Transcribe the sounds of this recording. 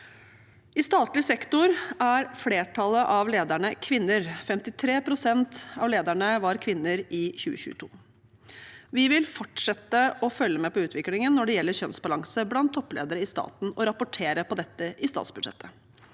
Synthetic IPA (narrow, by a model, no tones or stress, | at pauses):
ɪst̪ɑːt̪lɪsɛkt̪ʊɾæɾfleːʈʰɑləʔɑʋleːd̪æɳəkʰʋɪnːəɾfɛmt̪ɪt̪ʰɾeːpʰɾʊsɛnt̪ɑʋleːd̪æɳəʋɑɾkʰʋɪnːəɾɪçʉːəçʉ̰ːət̪ʰṵː | ʋɪʋɪlfɔʈʂɛt̪əʔɔfœlːəmɛpɔʉːt̪ʰʋɪklɪŋənːɔɖɛjɛlːəɾçœnsbɑlɑŋsəblɑnt̪ʰːɔpːlḛːd̪əɾəɪst̪ɑ̰ːt̪n̩ɔɾɑpʊʈʰeːɾəpʰɔd̪ɛt̪ːəʔɪst̪ɑ̰ːt̪sbʉd̪ʂɛ̰t̪ːə